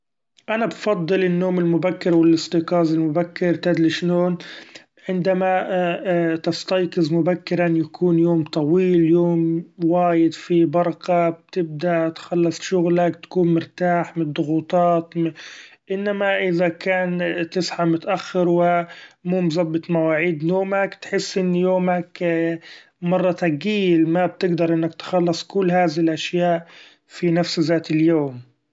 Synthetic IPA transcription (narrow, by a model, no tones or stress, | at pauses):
ʔanabfɑd̪ˤːɨlɪnːoːmɪlmʊbakːɪɾwɪlʔɪsˤt̪iqɑːzɪlmʊbakːɪɾt̪ad̪liʃnoːn | ʕɪnd̪ama | t̪ɪst̪ɑjqɨzmʊbakːɪɾanjakʰuːnjoːmt̪ˤɑwiːljoːmwaːjɪd̪fibɑɾˤqɑb̚t̪ɪb̚d̪aʔt̪xalːɑsˤʃʊɣlak̚t̪ḁkuːnmɪɾt̪aːħmɪnd̪ˤːʊɣuːt̪ˤɑːt̪ | ʔɪnːamaʔɪðakaːnt̪ɪsħamʊt̪aʔaxːɪɾwɪmuːmzˤɑbːɪt̪ˤmawaːʕiːd̪joːmakt̪ħɪsːʔɪnːjoːmak | mɑrˤːɑt̪aɡiːlmab̚t̪ɪɡd̪ɑɾˤʔɪnːak̚t̪xɑlːɑsˤkʊlːɦaːðɪlʔaʃjaːʔ | finafszaːt̪ɪljoːm